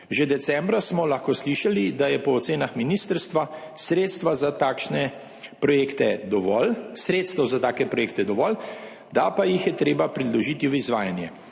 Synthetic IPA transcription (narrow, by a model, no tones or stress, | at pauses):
ʒed̪ɛsɛmbɾasmɔlaxkosliʃalid̪ajɛpɔːt̪seːnaxminiːst̪əɾst̪ʋa | sɾeːt̪st̪ʋazat̪aːkʃnɛ | pɾɔjeːkt̪ɛd̪ɔʋɔlsɾeːt̪st̪ɛwzat̪aːkɛpɾɔjeːkt̪ɛd̪ɔʋɔːl | d̪apajixjɛt̪ɾeːbapɾid̪lɔʒiːt̪iʋəizʋaːjanjɛ